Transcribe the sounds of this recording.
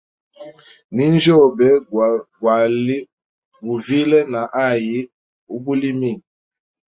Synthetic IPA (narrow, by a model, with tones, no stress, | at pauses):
ni˦n˦d͡ʒo˦˨bɛ˦ɡwa˨li˦ | bu˨vi˦lɛ˦na˨ʔa˦˨ji˦ | u˦bu˦li˦mi˦˨n